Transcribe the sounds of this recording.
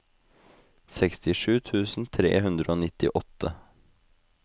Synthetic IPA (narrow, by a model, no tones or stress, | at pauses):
sɛkst̪ɪʂʉːt̪ʰʉːsn̩t̪ʰɾḛːɦʉnd̪ɾəoːnɪt̪ɪ̰ʔɔt̪ʰə